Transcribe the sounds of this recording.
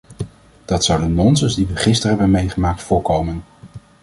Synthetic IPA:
d̥ɑtsʌwdənnɔnzənzdiʋəχɪstəɹɦɛbənmejχəmaːk̚tfʊːɹkowmən

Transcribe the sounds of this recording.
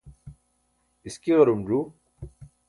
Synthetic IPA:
ɪskiɣɐɾumd͡ʑuː

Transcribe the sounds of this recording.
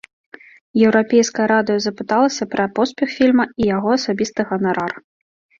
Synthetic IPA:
jɛwɾapʲɛjskɐjɐɾad̪ɨjɐzɐpɨt̪alˠɐsʲɐpɾɐpɔspʲɛxfʲilʲmɐijaɣɔɐsabʲist̪ɨɣɐnaɾar

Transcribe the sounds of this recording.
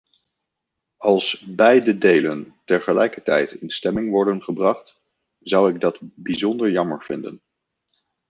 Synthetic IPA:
ɑlˠsbɛjdədejləntɛɹχəlɛjkəɹtɛ̰jtɪnstɛmɪŋʋɔɹdənχəbrɑχt | z̥ʌwɪɡ̚dɑtbizɔndəɹjɑməɹv̥ɪndə̰n

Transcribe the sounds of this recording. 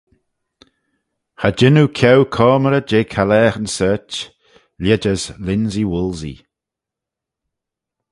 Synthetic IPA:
had͡ʒɪnukʰɛwkʰɔːməɾəd͡ʒeːkʰalɛːxənsɜːt͡ʃ | ljɛd͡ʒəzlɪnziwʊlˠzḭ

